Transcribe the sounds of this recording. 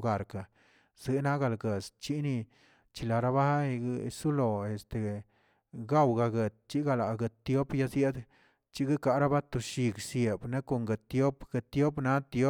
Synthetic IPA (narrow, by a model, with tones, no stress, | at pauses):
ɡa˨ɾka˨ | z̥ɨ˧˦na˦ɡa˧lɡe˨st͡ʃi˦ni˧ | t͡ʃi˧la˧˨ɾa˦ba˦˧ɡsu˦lo˨e˨st̪e˨ | ɡa˦˨wɡa˧ɡe˨t̪̚t͡ʃi˦ɡa˧la˨ɡe˧t̪t̪ːjo˦pja˧sje˦d̪ | t͡ʃi˦ɡɨ˦ka˧ɾa˦ba˦t̪u˨ʃi˧ɡsje˨bne˦ko˧ŋɡe˧˨t̪jo˦pɡ̥e˧˨t̪ːjo˦pna˦t̪jo˦